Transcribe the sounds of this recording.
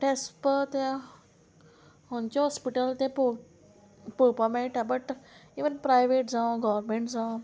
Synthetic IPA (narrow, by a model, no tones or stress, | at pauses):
ʈespət̪e | ɦõɲt͡ɕɔɦɔspiʈəlt̪ẽpo | pupameiʈabəʈiʋənpɾajʋeʈd͡zãwɡɔʋəɾmẽɳʈd͡zã